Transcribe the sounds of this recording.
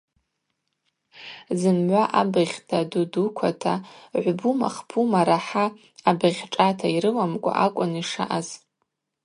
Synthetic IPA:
zɨmʕʷaʔabɨʁʲtʰadudukʷʰatʰaʕʷbuma̰χpʰumaɾaħaː | bɨʁʲʈ͡ʂʼatʰaiɾɨlamkʷʼa̰ʔakʷʼʊniʂa̰ʔaz

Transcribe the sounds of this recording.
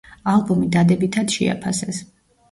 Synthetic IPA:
alˠbumid̪ad̪ɛbit̪ʰad̪ʃɛ̰a̰pʰasɛs

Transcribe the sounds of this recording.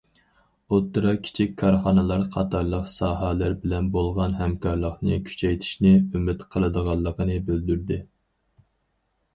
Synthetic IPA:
ot̪ʰːɨɾɑkʲʰi̥t͡ʃʰikʲkʰːɑɾχɑnɨlˠɑɾqʰɑt̪ʰɑɾlˠəqsɑːɦɑlæɾbɪlɛnbolˠʁɑnɦɛmkʰɑɾlˠəqnɨkʲʰy̥t͡ʃʰɛjt̪ʰi̥ʃnɪymɪt̪qʰəlˠɨd̪əʁɑlˠːəqʰənɨbøld̪yɾd̪ɪ

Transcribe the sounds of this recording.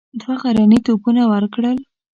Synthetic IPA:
d̪waɣaɾanit̪opunawəɾkɽəl

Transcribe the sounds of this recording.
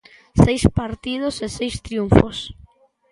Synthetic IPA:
sejspaɾt̪iðosesejst̪ɾjuɱfos

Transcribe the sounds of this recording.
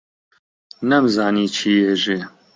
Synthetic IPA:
nɛmzɑːniːt͡ʃʰiːjɛʒe

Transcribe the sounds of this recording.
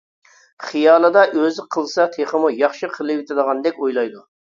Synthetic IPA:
χijɑːlˠɨd̪ɑʔøzɪqʰəlˠsɑt̪ʰeχəmujɑχʃɨqʰəlˠɨwɪt̪ʰɨd̪əʁɑnd̪ɛkʲojlˠɑjd̪u

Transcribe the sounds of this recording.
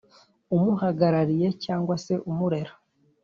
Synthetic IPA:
umuhaɡaɾaɾije̞caːŋɡwase̞ʔumuɾe̞ɾo

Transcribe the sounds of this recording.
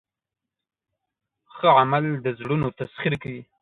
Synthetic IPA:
xəʕamald̪əzɽunot̪asχiɾkawi

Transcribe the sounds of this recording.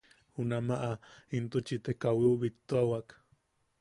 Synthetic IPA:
hunamaʔaint̪ut͡ʃit̪ekawiuβit̪ːoawak

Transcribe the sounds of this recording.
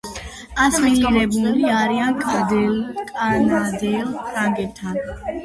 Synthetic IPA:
asmɛŋiɾɛbuliaɾiankʼad̪ɛlkʼanad̪ɛlpʰɾaŋɡɛt̪ʰal

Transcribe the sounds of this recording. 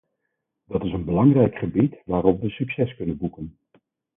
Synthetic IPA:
dɑtɪsənbəlɑŋrɛjkχəbitʋaːɾɔpʋəsyksɛskɵnənbukən

